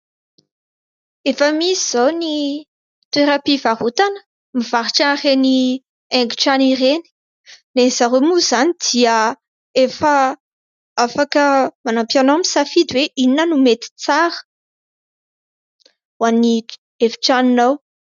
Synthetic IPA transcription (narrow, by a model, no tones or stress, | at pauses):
efəmisiz̥awni | t̪ueɾapivaɦut̪anə̥ | miv̥aɾiʈ͡ʂareni | ɛŋɡuʈ͡ʂaniɾeni̥ | nez̥aɾemuzanid̪̥iə | efə | afakəmanampjanamisafid̪weʔininənumet̪i̥t͡saɾə̥ | wani | efi̥ʈ͡ʂaninaw